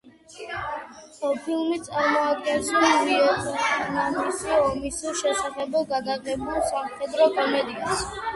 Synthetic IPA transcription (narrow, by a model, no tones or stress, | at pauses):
ɔpʰilˠmit̪sʼaɾmɔad̪̚ɡɛnsɔnviɔt̪ʰɔɔnamisiɔmisiʃɛsaχɛbɔɡad̪aqʼɛbulˠsamχɛd̪ɾɔkʼɔmɛd̪ikʼas